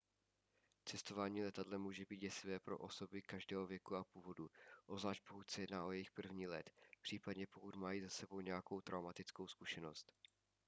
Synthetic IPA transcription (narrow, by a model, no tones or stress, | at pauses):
t͡sɛst̪o̞vaːɲiːlɛt̪adlɛmuːʒɛbiːt̪jɛsɪvɛːpɾo̞̰ʔo̞so̞bɪkaʒdɛːɦovjɛkuapuːvo̞duʔozlaːʃt̪̚po̞kut̪sɛjɛdnaːʔo̞jɛjɪxpr̩vɲiːlɛt̪pr̝̥iːpad̪ɲɛpo̞kut̪majiːzasɛbo̞wɲɛjako̞wt̪ɾʔawmat̪ɪt͡sko̞wskuʃɛno̞st̪